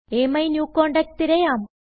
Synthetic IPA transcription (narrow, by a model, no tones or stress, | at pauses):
eːmɐjnjuːkoːɳɖɐk̚t̪iɾɐjaːm